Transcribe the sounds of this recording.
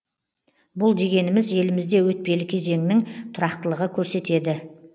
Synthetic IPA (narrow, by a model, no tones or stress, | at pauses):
bʊlˠd̪e̞ɡʲe̞nɪmɪzje̞lɪmɪzd̪e̞wɵt̪̚pe̞lɪkʲʰe̞ze̞ŋɪnɪŋt̪ʰʊɾɑqt̪əlˠəʁəkʲʰɵɾse̞t̪e̞d̪ɪ